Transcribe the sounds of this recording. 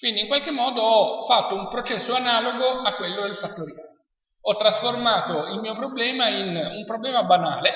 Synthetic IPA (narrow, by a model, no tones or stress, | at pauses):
kwind̪iŋkwalk̟emːɔːd̪oɔfat̪ːoumpɾot͡ʃɛsːoanaːloɡoakwelːod̪elfat̪ːoɾja | ɔt̪ːɾasformaːt̪oilmiːopɾoblɛːmainumpɾoblɛːmabanaːle